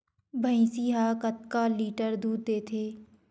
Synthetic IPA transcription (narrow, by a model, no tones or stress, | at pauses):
bʱəĩːsiɦaːkət̪kaːliːʈəɾd̪uːd̪̚ːeːt̪ʰeː